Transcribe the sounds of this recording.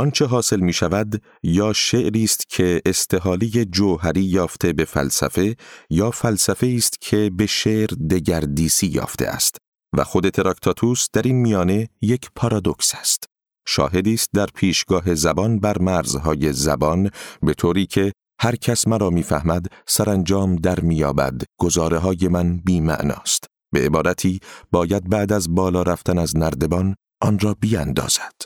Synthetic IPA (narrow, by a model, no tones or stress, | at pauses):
ʔɒnt͡ʃʰe̞ɦɒːse̞lmiːʃævæd̪ | jɒːʃe̞ʔɾiːst̪cʰe̞ːst̪ʰe̞ɦɒːlije̞d͡ʒoːɦæɾiːjɒːft̪ʰe̞be̞fæ̰lsæ̰fe̞jɒːfælsæfe̞iːst̪cʰe̞be̞ʃe̞ʔɾd̪e̞ɟæɾd̪iːsiːjɒ̰ːft̪e̞̰ʔæ̰st̪ | væ̰xo̞d̪e̞t̪ʰeɾɑkt̪ʰɑt̪ʰuːsd̪̥æɾiːnmijɒːne̞je̞cʰpʰɒɾɒːd̪o̞ksæ̥st̪ | ʃɒ̰ːɦe̞d̪iːst̪̚d̪æɾpʰiːʃɡɒːɦe̞zæbɒnbæɾmæɾzɦɒːje̞zæbɒnbe̞t̪ʰoːɾiːcʰe̞ | hæɾcʰæsmæɾɒːmiːfæhmæd̪sæɾænd͡ʒɒːmd̪æɾmiːjɒːbæ̰d̪ɡ̥ozɒːɾeɦɒːje̞mænbiːmæ̰ʔnɒ̰ːst̪ | bee̞bɒːɾæt̪ʰiːb̥ɒːjæd̪̚bæʔd̪æzbɒːlɒːɾæft̪ʰænæznæɾd̪e̞bɒn | ʔɒnrɒːbiːænd̪ɒ̰ːz̥æ̥d̪̥